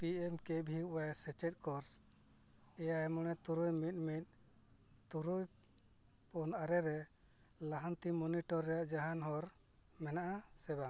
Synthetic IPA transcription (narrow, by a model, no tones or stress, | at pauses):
piɛmkɛbʱiuwajsɛt͡ʃɛt̪̚ˀkɔɾs | ɛjaɛmɔɽ̃ɛt̪uɾujmit̪̚ˀmit̪̚ˀ | t̪uɾuj | punaɾɛɾɛ | laɦant̪imɔniʈɔɾːɛjaʔd͡ʒaɦanɦɔɾ | mɛnaʔasɛba